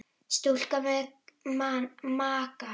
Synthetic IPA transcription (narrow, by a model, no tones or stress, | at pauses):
st̪uɬkamek̚mamaːka